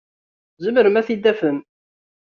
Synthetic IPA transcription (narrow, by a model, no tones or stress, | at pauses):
zəməɾəmæθid̪ːæfəm